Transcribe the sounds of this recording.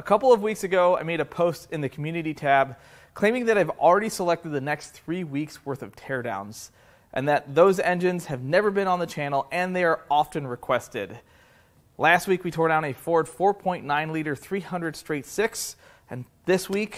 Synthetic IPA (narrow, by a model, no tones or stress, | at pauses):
əkʰʌpl̩ˠʌvwiksɨɡoʊaɪmeɪɾɨpʰoʊstɨ̃nðɨkʰm̩jʉnɨɾitʰæb | kʰl̥ẽɪ̃mɪ̃ŋðɨɾaɪvl̩ˠɹɛɾisəlɛk̚tɨd̪̚ðɨnɛksθɹiwikswɜ˞θʌv̥tʰɛɹdã̰ʊ̃nz̥ | ʔɨ̃nðɨt̪̚ðoʊzɛ̃nd͡ʒɨ̃nz̥ɨvnɛvə˞bɨ̃ñə̃nðɨt͡ʃʰæ̃nl̩ˠɨ̃nðeɪə˞ɑfɨ̃nɹɨkʰw̥ɛstɪ̰d̥ | læst̚wikwitʰɔɹɾãʊ̃nɨfɔɹd̥fɔɹpʰɔ̃ɪ̃nnãɪ̃nliɾə˞θɹihʌ̃ndɹɨd̥stɹ̥eɪtsɪks | ɨ̃n | ðɪswik